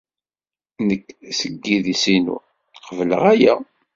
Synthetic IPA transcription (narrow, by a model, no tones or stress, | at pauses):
nəkːsəɡːiðisinṵ | qəvlə̰ʁæjæ